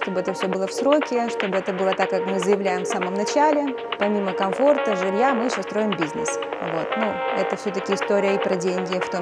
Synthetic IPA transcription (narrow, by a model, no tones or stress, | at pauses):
ʂt̪o̞bɨɛt̪əfsʲɵbɨlˠəfsɾo̞kʲɪʂt̪o̞bɨɛt̪əbɨlˠət̪akːakmɨzəjɪvlʲæjɪmfsaməmnɐt͡ɕælʲɪ | pɐmʲiməkɐmfo̞rt̪əʐɨlʲjamɨɕʲost̪ɾo̞jɪmbʲiznɨsvo̞̰t̪nuɛt̪əfsʲɵt̪əkʲɪɪst̪o̞ɾʲɪjəɪpɾɐdʲenʲɡʲɪft̪o